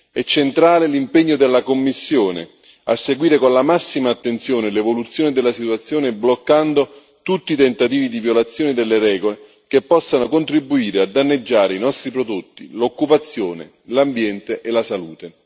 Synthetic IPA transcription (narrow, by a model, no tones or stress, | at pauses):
ɛt͡ʃːent̪ɾaːlelimpeɲːod̪elːakomːisːjoːnḛ | asːeɡwiːɾekonlamasːimaːt̪ːent̪sjoːnelevolut̪sːjoːnɪd̪elːasit̪wat̪sːjoːneblokːand̪o | t̪ut̪ːiːt̪ent̪at̪iːvid̪ivjolat̪sːjɔːnɪd̪elːeɾɛːɡole | k̟epːɔsːanokont̪ɾibːuiːɾead̪ːanːed͡ʒːaːɾeinɔst̪ɾipɾod̪ot̪ːḭlokːupat̪sːjoːnḛ | lambjɛnt̪eʔelasaluːt̪e